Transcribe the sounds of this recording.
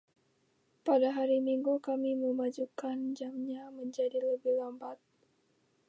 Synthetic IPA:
padaɦaɾimiŋɡukamiməmad͡ʒukand͡ʒamɲaməɲd͡ʒadiləbɪhlambat̪̚

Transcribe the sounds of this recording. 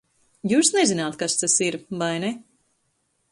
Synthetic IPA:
juːsnezinaːt̪kast̪asiɾvajnɛ

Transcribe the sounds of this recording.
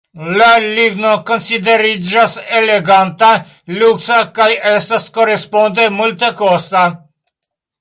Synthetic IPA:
lalivnokonsid̪eɾid͡ʒaseleɡant̪a | luksakajest̪askoɾespund̪emult̪əkost̪a

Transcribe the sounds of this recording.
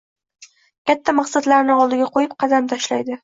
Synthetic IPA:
kʲat̪ʰːamɑqsat̪laɾnɪɒlˠd̪ɪɡʲaqʰojɪp̚qʰɑd̪amt̪ʰaʃlajd̪ɪ

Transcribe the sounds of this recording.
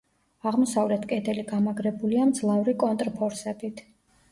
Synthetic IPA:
aʁmɔsavlɛt̪ʰkʼɛd̪ɛliɡamaɡɾɛbuliamd̪zlˠavɾikʼɔnt̪ʼɾpʰɔɾsɛbit̪ʰ

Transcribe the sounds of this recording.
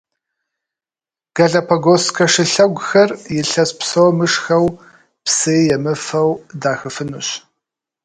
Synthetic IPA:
ɡ̥ɐɮɐpʰɐɡoskʰɐʂɨɬɐɡʷxɐrjɪɬɐspsɐwmɨʂxɐw | pseːjɛmɨfɐwdaːxɨfɨnuɕ

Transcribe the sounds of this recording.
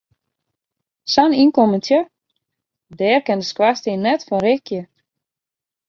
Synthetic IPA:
saninkoməntʰjə | dɛːrkɛndəskwastinɛtfɔnrɪkjə

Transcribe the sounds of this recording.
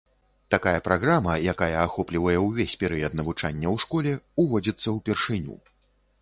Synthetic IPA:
t̪akajɐpɾʔaɣɾamɐjakajɐːxɔplʲivɐjɛwvʲesʲpʲɛɾɨjɐt̪nɐvut͡ʂanʲːɐwʂkɔlʲɛuvɔd͡zʲit̪sːɐwpʲɛrʂɨnʲṵ

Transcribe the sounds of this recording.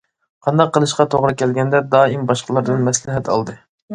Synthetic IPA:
qʰɑnd̪ɑqʰːəlˠɨʃqɑt̪ʰoʁɾɨkʲʰɛlɡʲɛnd̪ɛd̪ɑːimbɑʃqʰəlˠɑɾd̪ɨnmɛslɪɦɛt̪ʰɑ̰lˠd̪ɨ

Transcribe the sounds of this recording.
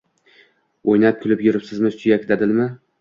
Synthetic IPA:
ojnap̚kʲʰʊlɪpjʊɾɪpsɪzmɪsʰʊjakʲt̪ʰad̪ɪlmɪ

